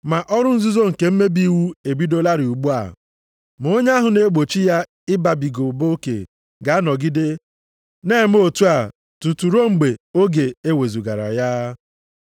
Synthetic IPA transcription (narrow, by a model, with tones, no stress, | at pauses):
ma˨ʔɔ˦ɾʊ˦n̩˦zu˦zo˦ŋ̩˨ke˨m̩˦me˦bi˦wu˦e˨bi˦do˦la˦ɾi˨u˨ɡ͡bu˦a̰˨ | m˨o˦ɲe˦a˦ɦʊ˨ne˦ɡ͡bo˨t͡ʃi˦ja˦ | ɪ˦ba˨bi˨ɡo˨bo˦kḛ˨ | ɡa˨a˦nɔ˨ɡɪ˦de˦ | ne˦˨m˦o˦˨tu˦a˨ | tu˨tu˨ɾo˦ŋ͡m̩˨ɡ͡be˨o˦ɡe˨e˦we˨zu˨ɡa˨ɾa̰˨ja˦